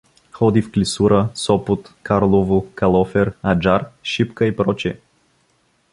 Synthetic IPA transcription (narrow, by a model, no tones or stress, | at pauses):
xɔd̪ifklʲisuɾəsɔpʊt̪kaɾlˠovʊkalˠɔfɛɾad͡ʒaɾʃipkəipɾɔt͡ʃɛ